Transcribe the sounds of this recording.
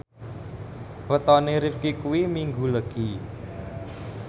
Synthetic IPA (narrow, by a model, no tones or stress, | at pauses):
pət̪ɔneɾip̚kikuwimiŋɡuləɡ̥i